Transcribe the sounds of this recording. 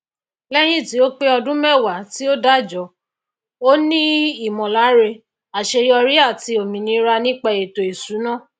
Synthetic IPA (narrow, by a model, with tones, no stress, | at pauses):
lɛ˦j̃ĩ˦˨ti˨˦o˦k͡pe˦ɔ˧dũ˦mɛ˦˨wa˨˦ti˦o˦da˦˨d͡ʒɔ˨˦ | o˦nĩ˦i˨mɔ̃˨la˨˦ɾe˧ | a˨ʃe˧jɔ˧ɾi˦a˦˨ti˧o˨mĩ˨nĩ˧˦ɾa˧nĩ˦k͡pa˧e˨to˨e˨su˨˦nã˦˨